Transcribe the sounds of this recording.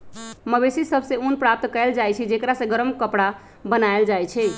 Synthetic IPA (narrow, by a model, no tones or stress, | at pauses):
məbesisəbʱsẽunpɾap̚t̪kəɪld͡ʒajt͡ʃʰid͡ʒekɾasə̃ɡəɾəmkəpɽa | bənaeld͡ʒajt͡ʃʰɛ